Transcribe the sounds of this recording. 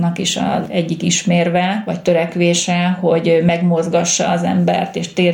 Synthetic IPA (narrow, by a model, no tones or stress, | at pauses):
nɒkiʃɒ̰zɛɟːikiʃmeːrʋɛʋɒct̪øɾɛkʋeːʃɛho̞ɟmɛɡmozɡɒʃːɒ̰ːzɛ̰mbɛ̰rt̪eːʃt̪eː